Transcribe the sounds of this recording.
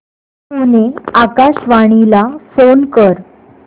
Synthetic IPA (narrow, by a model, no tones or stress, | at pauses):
uneakaɕʋaɽ̃ilafonkəɾ